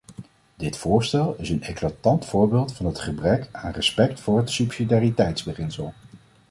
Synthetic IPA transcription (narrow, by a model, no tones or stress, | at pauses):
dɪtfʊːɹstɛlˠɪsənɛklatɑntfʊːɹbeːlˠtfɑnɦətχəbrɛkaːnrɛspɛktfʊːɹɦətsypsidaːritɛjtzbəχɪnsəlˠ